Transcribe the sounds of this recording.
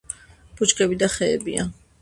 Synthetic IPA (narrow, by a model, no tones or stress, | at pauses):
b̥ut͡ʃkʼɛbid̪aχɛ̰ːbia̰